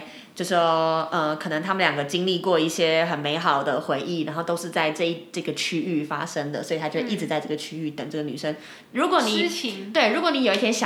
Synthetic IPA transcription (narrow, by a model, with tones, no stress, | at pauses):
t͡ɕjo˥˧ʊʂə˧˩kʰɤ˨˩nə˧˥ŋt̪ʰa˥mə˨nljɑ˨˩ŋɡə˦t͡ɕi˥ŋli˥˧kwɔ˥˧i˥˩ɕjɛ˥xə˨˩nme˧˥ɪxɑ˨˩ʊd̪ə˦˩xwe˧˥ɪʔi˥˩na˧˥nxo˥˩ʊt̪o˥ʊʂɻ̩˥˧t͡sa˥˧ɪʈ͡ʂɤ˥˧i˥˩ʈ͡ʂɤ˥˩ɡə˩t͡ɕʰy˥y˥˩fa̰˥ʂə˥ŋd̪ə̰˨swɔ˧˥˨t̪ʰa˥t͡ɕʰjʰʂi˥˩ʈ͡ʂɻ̩˧˩t͡sa˥˧ɪʈ͡ʂɤ˥˩ɡə˩t͡ɕʰy˥y˥˩t̪ə˨˩ŋʈ͡ʂɤ˥˩ɡə˩ny̰˨˩ʂə˥ŋ | ɻu˧˥kwɔ˧˦ni˨˩˧t̪we˥˩ɪɻu˧˥kwɔ˧˦ni˧˥jo˨˩ʊi˥˩t̪ʰjɛ˥nɕ